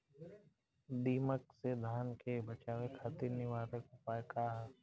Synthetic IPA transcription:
d̪iːməksed̪ʱaːnkebət͡ʃaːwekʰaːt̪iɾnɪʋaːɾəkpaːekaːɦ

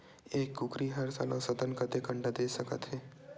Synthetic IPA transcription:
eːkːʊkɾiɦɐɾsa̰ːlãsəd̪ənkət̪ekə̃ɳɖad̪eːsəkət̪ɦɛː

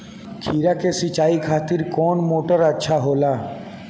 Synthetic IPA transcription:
kʰiːɾakesɪt͡ʃaːikʰaːt̪ɪɾkɔːnmoːʈəɾətːʃʰaɦoːlaː

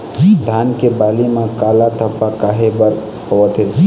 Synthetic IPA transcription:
d̪ʱankebalimãkalat̪ʰəpːakaɦebəɾ | hoʋət̪et̪ʰ

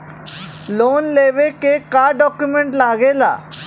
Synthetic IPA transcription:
loːnleːʋekekaːɖɔːkjumẽɳʈlaːɡeːla̰ː

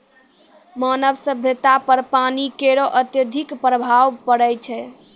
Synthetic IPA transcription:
mənəbsəbʱjət̪apəɾpanikeɾoʔət̪jəd̪ʱikpɾəbʱaʋpəɽɛjt͡ʃʰɛ

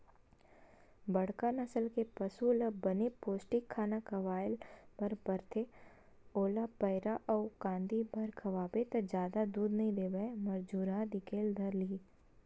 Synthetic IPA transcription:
bɐɽ̤kanɐsəlkepɐsulabɐnepoːsʈɪkʰːaːnakɐʋaːɪlpɐɾbɐɾt̪ʰe | oːlapɐɪɾaʔɔːkãːnd̪ibʱɐɾkʰɐʋaːbet̪ɐd͡ʒjaːd̪ad̪uːd̪nɐɦĩd̪eːbəmɐɾd͡ʒuːɾãd̪ɪkeːld̪ʱɐɾliː

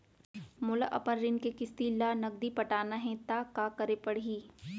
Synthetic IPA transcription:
mʊlaʔɐ̰pənɾɪnkekɪst̪ilaːnɐɡ̚d̪ipɐʈaːnaɦɛ̃t̪aːkaːkɐɾepɐɽɦiː

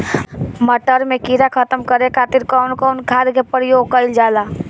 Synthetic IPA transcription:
məʈəɾmẽkiːɾakʰət̪əmkəɾekʰaːt̪ɪɾkɔːnkɔːnkʰaːɾkepəɾɪjoːɡkəɪld͡ʒaːlaː

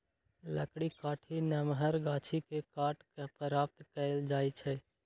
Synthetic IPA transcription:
ləkɽikaːʈʰinɛmɦəɾɡaːt͡ʃʰikekaːʈkepəɾaːp̚t̪kəld͡ʒaːit͡ʃʰɛ

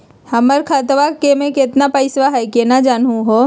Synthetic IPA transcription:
hɐməɾkʰat̪ʋakemẽkɪt̪napəɪsʋaɦɛkenad͡ʒaːnɦũɦo

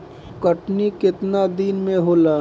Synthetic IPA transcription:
kəʈnikɪt̪nad̪iːnmẽɦoːlaː

